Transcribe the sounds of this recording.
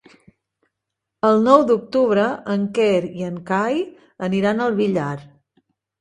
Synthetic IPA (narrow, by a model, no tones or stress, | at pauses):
əlˠnɔwd̪uk̚t̪uβ̞ɾəəŋkɛɾiəŋkaj | əniɾanəlˠβiʎaɾ